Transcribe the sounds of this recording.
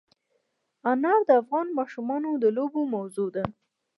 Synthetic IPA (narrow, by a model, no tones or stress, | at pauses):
anɑɾd̪əafɣɑnmɑʃumɑnod̪əlobomawzod̪a